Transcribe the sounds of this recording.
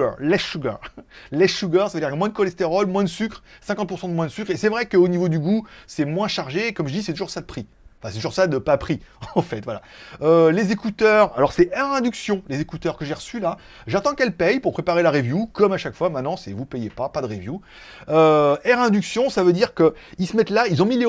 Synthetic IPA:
lɛʃuɡa̰ʁlɛsuɡaʁsavəød̪iʁkmwɛ̃d̪əkɔlɛst̪eʁɔlmwɛ̃d̪əsykχsɛ̃kɑ̃t̪̚puʁsɑ̃d̪əmwɛ̃d̪əsykχesɛvʁɛkəonivod̪yɡusɛmwɛ̃ʃaʁʒeːkɔmʒəd̪isɛt̪uʒuʁsad̪əpχi | ɑ̃fɛ̃sɛt̪uʒuʁsad̪əpapχiɑ̃fɛt̪vwala̰ølezekut̪œʁa̰lɔʁsɛʔɛʁɛ̃d̪yksjɔ̃lezekut̪œʁkəʒeʁəsyla | ʒat̪ɑ̃kɛlpɛjpuʁpχepaʁelaʁevjukɔmaʃakfwamɛ̃t̪nɑ̃sɛvupɛjepapad̪əʁevju | øɛʁɛ̃d̪yksjɔ̃savød̪iʁkəilsəmɛt̪lailzɔ̃mile

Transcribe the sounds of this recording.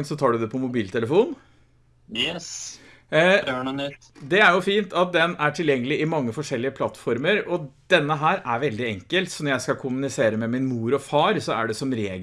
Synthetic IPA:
nsɔt̪ʰɑːɖʉd̪ɛpʰɔmʊbiːlt̪ʰɛləfuːn | jɛs | d̪ɛæɾjʊfiːnt̪ʰɑt̪̚d̪ɛnæʈʰɪljɛŋːəlɪʔɪmɑŋːəfɔʂɛlːɪəpʰlɑt̪ːfɔɾməɾɔd̪̥ɛnːəɦæːɾæɾʋɛld̪ɪɛŋkəlt̪sɔnɔɾjæɪskɑkʰʊmʉnɪseːɾəmɛmɪnmuːɾɔfɑːɾsɔæ̰ɖɛsɔmɾeːɡ

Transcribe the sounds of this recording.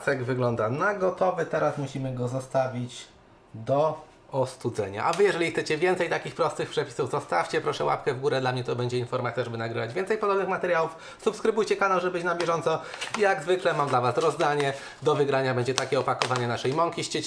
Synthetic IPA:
saɡvɘɡlɔnd̪anaɡɔt̪ɔvɘt̪ɛɾasmuɕimɘɡɔzɔst̪avʲit͡ɕ | d̪ɔ | ɔst̪ud̪zɛ̰ɲa̰ʔavɘjɛʐɛlʲixt̪sɛt͡ɕɛvʲjɛnt̪sɛjt̪akʲixpɾɔst̪ɘxpʂɛpʲi̥suvzɔst̪aft͡ɕɛpɾɔʂɛwa̰pkɛvɡuɾɛd̪lamɲɛt̪ɔbɛɲd͡ʑɛinfɔɾmat̪sjaʐɛbɘnaɡɾɘvad͡ʑvʲɛnt̪sɛjpɔd̪ɔbnɘxmat̪ɛɾjawuf | supskɾɘbujt͡ɕɛkanawʐɛbɘt͡ɕnambʲjɛʐɔnt̪sɔjaɡzvɘklɛmamd̪lavasɾɔzd̪aɲɛ | d̪ɔvɘɡɾaɲabɛɲd͡ʑɛt̪akʲɛɔpakɔvaɲɛnaʂɛjmɔŋkʲiɕt͡ɕɛt͡ɕ

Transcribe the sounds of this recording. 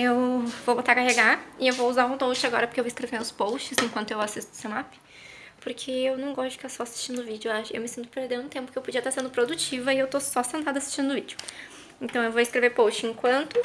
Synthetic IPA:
ewvobot̪aɾkaheɡaɪewvouzaɾũd̪owt͡ʃɪaɡɔɾɐpoɾkewvoɪiskɾevẽnʊspowst͡ʃɪszẽkwɐ̃nt̪ʊewasist̪ʊ̥senapɪ̥ | poɾkʰeewnɐ̃w̃ɡɔst̪ʊd͡ʒɪkt̪aɾsɔasi̥st͡ʃĩnd̪ʊvid͡ʒʊaʃḛwmɪsĩnt̪ʊpeɾd̪ẽnd̪ʊt̪ẽmpʊ̥kɪewpod͡ʒiɐt̪aɾsẽnd̪ʊpɾod̪ut͡ʃivɐɪewt̪osɔsẽnt̪ãd̪ʊasi̥st͡ʃĩnd̪ʊvid͡ʒʊ | ẽnt̪ɐ̃w̃ewvoɪskɾeveɾpowst͡ʃɪẽŋkwɐ̃nt̪ʊ

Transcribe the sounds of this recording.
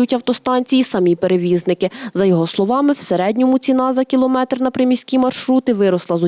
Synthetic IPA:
ʊtʲɐwt̪ɔst̪ɑnʲt͡sʲijisɐmʲipe̞ɾeʋʲiznɪkɪzɐjɔɦɔslˠɔʋɑmɪwseɾɛdʲnʲɔmʊt͡sʲinɑzɐkʲilˠɔmɛt̪rnɐpɾɪmʲisʲkʲimɐrʃɾut̪ɪʋɪɾɔslˠɐzɔ

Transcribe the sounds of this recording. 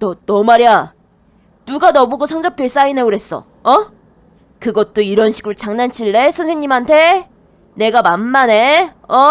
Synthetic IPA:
tʌnʌmaɾia | nuɡanʌbuɡosʰʌŋd͡ʑʌpʰjeɭs͈aine̞uɾe̞s͈ʌ̰ | ʌ | kɯɡʌt̚t͈oiɾʌnɕʰi̥ɡuɭt͡ɕaŋnant͡ɕʰiɭːe̞sʰʌnsʰeŋɲimɦantʰe̞ | ne̞ɡamanːane̞ | ʌ

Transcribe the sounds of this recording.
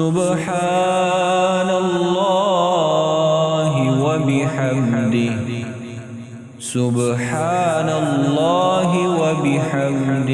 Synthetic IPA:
ʊb | ħaː | nalːa | ɦɪwabɪħamd̪ɪh | sʊbħaːnalːaːɦɪwabɪħamd̪ɪ

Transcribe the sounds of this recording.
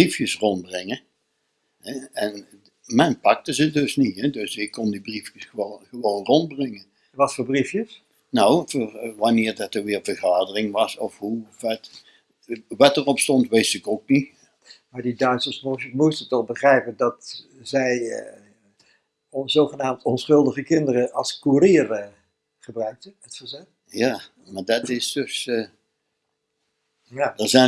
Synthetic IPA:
brifjəsrɔnbrɛɪŋə | ɦɛɛn | mɛnpɑk̚təzədɵsniɦɛdɵsɪkːɔndibrifjəsχəoχəʋownrɔnbrɪŋən | ʋɑtfʊːɹbrifjəs | nowvoːrʋɑnɪːɹdɑtəɹʋɪːɹvəɹχaːdərɪŋʋɑsɔfɦuvɛt | ʋɑtərɔpstɔntʋejsɪkokni | maːɹdidœɥtsəɹsmɔmustətɔχbəχrɛjpəndɑt | zɛj | nzowχənaːmtʰɔnsχɵlˠdəχəkɪndərəɑlˠskurɪːr | χəbrœɥk̚təətsɑlˠzɛ | jaː | madɑtɪsd̥ɵs | jadəzɛ

